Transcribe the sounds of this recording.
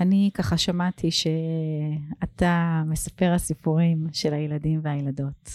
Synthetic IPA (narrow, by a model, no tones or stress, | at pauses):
anikaχaʃamatʰiʃe̞ | atame̞sape̞ʁasipuʁimʃe̞lajeladimveajelado̞t